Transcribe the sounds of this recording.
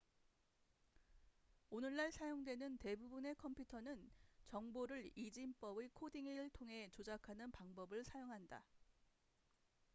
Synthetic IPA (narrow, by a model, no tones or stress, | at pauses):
onɯɭːaɭsʰajoŋdwe̞nɯnte̞bubune̞kʰʌmpʰjutʰʌnɯnt͡ɕʌŋboɾɯɭid͡ʑimp͈ʌbekʰodiŋiɯɭtʰoŋɦe̞t͡ɕod͡ʑakʰanɯnpaŋbʌbɯɭsʰajoŋɦanda̰